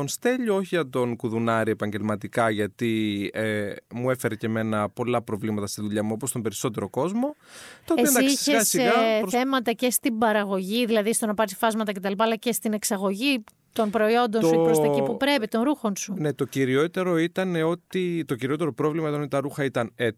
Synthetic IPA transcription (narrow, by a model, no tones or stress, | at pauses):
onst̪e̞ʎooçiɐt̪o̞nkuðunɐɾie̞pɐɲɟe̞lmɐt̪ikɐʝɐt̪iemue̞fe̞ɾece̞me̞nɐpo̞lɐpɾo̞vlimɐt̪ɐst̪inðuʎɐmuo̞post̪o̞mbe̞ɾiso̞t̪e̞ɾo̞ko̞zmo̞t̪oeiesnd̪ɐsieɐsiɣɐθe̞mɐt̪ɐce̞st̪ibɐɾɐɣo̞ʝiðilɐðist̪onɐpɐɾisfɐzmɐt̪ɐce̞t̪ɐlip̬ɐːlɐce̞st̪ine̞ksɐɣo̞ʝi | t̪o̞npɾo̞io̞nd̪o̞nuoɾost̪ɐcipupɾe̞pit̪o̞nɾuxo̞nsune̞t̪o̞ciɾiot̪e̞ɾo̞it̪ɐne̞o̞t̪it̪o̞ciɾio̞t̪̬eɾo̞pɾo̞vlimɐt̪onit̪ɐɾuxɐit̪ɐne